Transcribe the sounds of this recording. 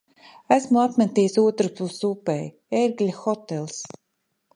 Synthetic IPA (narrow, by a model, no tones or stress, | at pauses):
æsmuat̪mɛt̪iːjsuɔt̪ɾupusupej | eɾɡlʲaxɔt̪elˠs